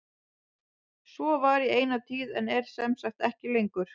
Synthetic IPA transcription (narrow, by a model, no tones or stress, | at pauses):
svɔvaɾieːjnat̪ʰiːðɛnɛɾ̥sɛmsaxt̪ɛhcɪlejŋkʏɾ̥